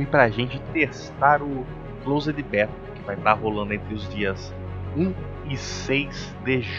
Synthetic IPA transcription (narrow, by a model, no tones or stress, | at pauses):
ɪpɾɐʒẽt͡ʃɪt̪est̪aɾʊ | klowzed̪ɪbɛɾt̪ʊkɪvajt̪aɾɦolɐ̃d̪ʊẽnt̪ɾɪʊzd͡ʒiɐs | ũ | ɪsejz | d̪eʒ